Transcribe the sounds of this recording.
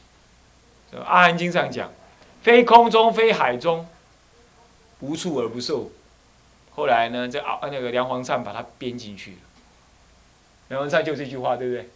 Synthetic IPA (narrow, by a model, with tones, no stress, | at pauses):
ʔa̰˥ha˧˦nt͡ɕi˦˥ŋs̬ɑ˥˩ŋt͡ɕja̰˨˩ŋ | fe˦ɪkʰʊ˦ŋt͡sʊ˦˥ŋfe˥ɪxa˨˩ɪt͡sʊ˦ŋ | pu˨˦t͡sʰu˥˩ə˞˨˥pu˨˦so˥˨ʊ | xo˥˩ʊla˨˦ɪnə˧ə˥˧na˥˧ɡə˨lja˧˦ŋxwɑ˧˦ŋsa˥˩npa˨˩t̪ʰa˦pjɛ˦˥nt͡ɕi˥˧nt͡ɕʰy̰˥˩lə˩ | ljŋwŋsa˥˧nt͡ɕjo˥˧ʊt͡st͡ɕy˥˧xwa˥˨t̪we˥˩bə˩e˥˩ɪ